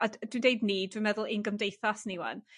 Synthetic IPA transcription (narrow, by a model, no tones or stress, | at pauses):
ad̥windejdnidwinmɛðʊlˠɪnɡəmdejθasniwa̰n